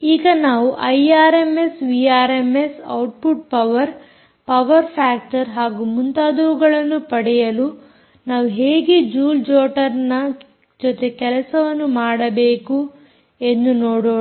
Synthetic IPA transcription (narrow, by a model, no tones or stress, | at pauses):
iːɡɐnaːʋuʔɐjaːɾemesʋiaːɾemesɐ̰wʈ̚puʈ̚pɐʋɐɾ | pɐʋɐɾpʰaːk̚ʈɐɾɦaːɡumunt̪aːd̪ɐʋuɡɐɭɐnːupɐɽɛjɐlu | naːʋuɦeːɡed͡ʒuːld͡ʒoːʈɐɾnɐ | d͡ʒɔt̪ekɛlɐsɐʋɐnːumaːɽɐbeːku | e̞nd̪unoːɽoː